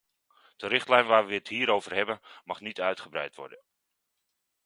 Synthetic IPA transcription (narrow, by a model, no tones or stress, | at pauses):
d̥ərɪχtlɛjnʋaːɹʋəʋəətɦiːɾowvərɦɛbənmɑχnitœɥtχəbrɛ̰jtʋɔ̰ɹdən